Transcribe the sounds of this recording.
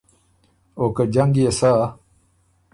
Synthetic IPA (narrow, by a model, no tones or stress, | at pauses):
okad͡ʑɐŋɡjesa